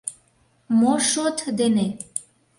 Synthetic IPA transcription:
moʃot̪d̪ene

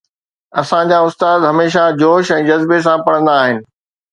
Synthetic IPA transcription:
ɐsãd͡ʑaʊst̪aːd̪ɦɐmeːʃad͡ʑoːʃɛ̃ːd͡ʑɐzbes̬ãpɐɽ̤ə̃nd̪aːɦɪnɪ̆

